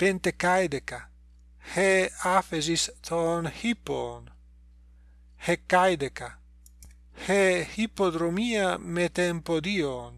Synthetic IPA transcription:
pent̪ekajd̪eka | heafezist̪ʰonhipo̰n | hekːajd̪eka | hehipod̪ɾomiamet̪empod̪ion

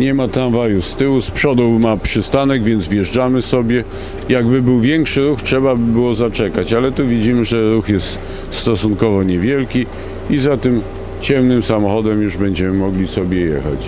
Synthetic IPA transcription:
ɲɛmat̪ɾanvajust̪ɘwuspʂɔd̪ɔwmapʂɘst̪anɛɡvʲjɛnd̪zvʲjɛʐd͡ʐamɘsɔbʲjɛ | jaɡbɘbɘwvʲjɛŋkʂɘɾuxtʂɛbabɘbɘwɔzat͡ʂɛkat͡ɕalɛt̪uvʲid͡ʑimɘʐɛɾuxjɛst̪ | st̪ɔsunkɔvɔɲɛvʲjɛlkʲi | izat̪ɘm | t͡ɕɛmnɘmsamɔxɔd̪ɛmjuʐbɛɲd͡ʑɛmɘmɔɡlʲisɔbʲjɛjɛ̰xa̰t͡ɕ

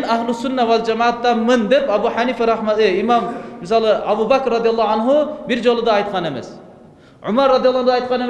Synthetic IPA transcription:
naɦlˠusunːawald͡ʒamaːt̪ːamɨnd̪epabuħaniːfaɾɑħmat̪ɨimammisɑlˠɨabubakɾːɑd̪ijɑlˠːɑanɦubiɾd͡ʒolˠɨd̪ɑːjt̪qʰɑnemḛs | ʕʊmaɾːɑd̪ijɑlˠːɑhd̪ɑjt̪̚qɑnem

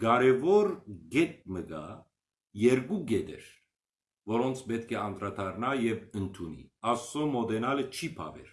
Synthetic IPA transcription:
ɡ̥ɑɾɛvɔɾɡɛt̪̚məɡɑ̰ | jɛɾɡuɡɛd̪ɛ̰ɾ | vɔɾɔnt͡sʰbɛt̪kʰɛɑnt̪ɾɑd̪ɑɾnɑjɛvənt̪ʰunḭɑsːɔmɔd̪ɛnɑlət͡ʃʰipʰɑ̰vɛ̰ɾ

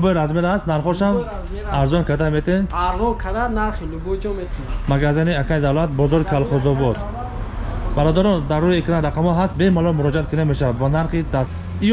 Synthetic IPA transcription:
bɔɾazmeɾast̪naɾχɔʃam | aɾzɔnkʰad̪amet̪ʰenaɾzɔkʰad̪anaɾχilubud͡ʒɔmet̪ʰimaɡazaniakʰaid̪avlat̪̚bɔzɔɾikʰalχɔzɔbɔd̪ | baɾɔd̪aɾɔnd̪aɾːuiekʰinaɾaqʰamɔɦast̪̚bemalɔmuɾɔd͡ʒiat̪̚kʰunameʃavad̪banaɾχid̪as | i

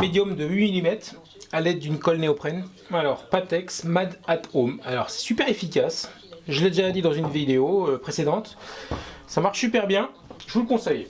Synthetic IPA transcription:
med̪jɔmd̪əɥimilimɛt̪χ | alɛd̪̚ːynkɔlneɔpχɛn | alɔʁpat̪ɛksmad̪at̪omalɔʁsɛ̥sypɛʁefikʲas | ʒəlɛd̪eʒad̪id̪ɑ̃zynvid̪eoøpχesed̪ɑ̃t̪ | samaʁʃsypɛʁbjɛ̃ | ʒəvulkɔ̃sɛj

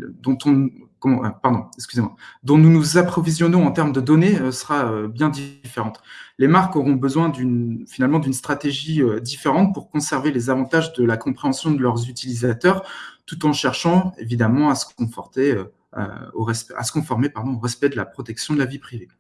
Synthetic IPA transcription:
d̪ɔ̃t̪ɔ̃kɔmɑ̃paʁd̪ɔ̃ɛkskʲyzemwa̰d̪ɔ̃nunuzapχɔvizjɔnɔ̃ɑ̃t̪ɛʁmd̪əd̪ɔneøsə̥ʁaøbjɛ̃d̪ifeʁɑ̃t̪lemaʁkɔʁɔ̃bəzwɛ̃d̪ynfinalmɑ̃d̪ynst̪χat̪eʒiød̪ifeʁɑ̃t̪̚puʁkɔ̃sɛʁvelezavɑ̃t̪aʒd̪əlakɔ̃pχeɑ̃sjɔ̃d̪əlœʁzyt̪ilizat̪œʁt̪ut̪ɑ̃ʃɛʁʃɑ̃ḛvid̪amɑ̃asə̥kɔ̃fɔʁt̪eø̰ | oʁɛspɛa̰sə̥kɔ̃fɔʁmepaʁd̪ɔ̃oʁɛspɛd̪əla̰pχɔt̪ɛksjɔ̃d̪əlavipχive

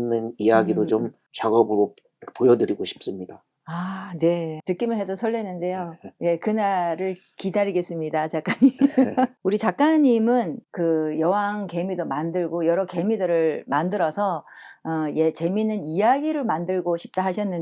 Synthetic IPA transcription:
nɯnijaɡidot͡ɕom | t͡ɕaɡʌbɯɾo | pojʌdɯɾiɡoɕʰi̥p̚s͈ɯmɲida | ane̞tɯk͈imɯɭɦedosʰʌɭːenːɯnde̞joje̞kɯnaɾɯɭ | kidaɾiɡe̞s͈ɯmɲidat͡ɕak͈aɲi | uɾit͡ɕak͈aɲimɯnkɯjʌwaŋke̞midomandɯɭɡojʌɾʌke̞midɯɾɯɭmandɯɾʌsʰʌʌje̞t͡ɕe̞minɯnijaɡiɾɯɭmandɯɭɡoɕʰi̥p̚t͈aɦaɕʰʌnːɯn

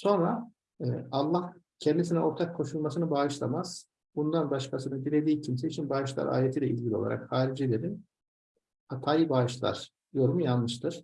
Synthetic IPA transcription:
so̞nɾa | ɯalˠːahcʰɛnd̪isinɛo̞ɾt̪ʰakʰːo̞ʃulˠmasɯnɯbaːɯʃlˠa̰maz̥ | bund̪anbaʃkasɯnɯd̪ilʲe̞d̪iːcʰimseit͡ʃʰinbaːɯʃlˠa̰ɾa̰ːjet̪iːlʲɛʔizʲɟʲilʲo̞̰a̰ɾa̰khaːɾid͡ʒilʲeɾin | at̪ʰaːjɯbaːʃlˠa̰ɾ̥ | jo̞ɾumujanlˠɯʃt̪ʰɯɾ̥

